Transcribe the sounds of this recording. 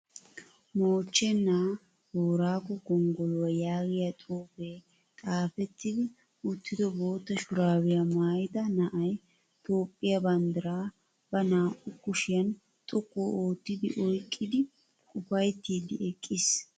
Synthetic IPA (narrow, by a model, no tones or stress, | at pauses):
moːt͡ʃːɛnːaː | hoːɾaːkːɔɡɔŋɡɔlɔwɐjaːɡɪjat̪ʼuːfeː | tʼaːfɛt̪ːɪd̪ɪ | ʊt̪ːɪd̪ɔboːt̪ːɐʃʊɾaːwɪjɐmaːjɪd̪ɐnɐʔɐj | t̪ʰʼo̞ːpʼːɪjɐbɐnd̪ɐɾaː | b̥ɐnaːʔʼʊkːʊʃɪjɐn | t̪ʼɔkːoːoːt̪ːɪd̪ɪ̰ʔɔjkʼːɪd̪ɪ | kʼʊpɐjt̪ːiːd̪ɪɛkʼːɪs